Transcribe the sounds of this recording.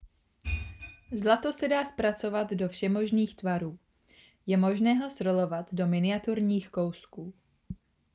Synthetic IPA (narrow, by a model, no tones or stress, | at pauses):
zlat̪o̞sɛdaːspɾat͡so̞vad̪do̞fʃɛmo̞ʒniːxt̪vaɾuː | jɛmo̞ʒnɛːɦo̞sɾo̞lo̞vat̪do̞mɪnɪat̪uɾɲiːxko̞wskuː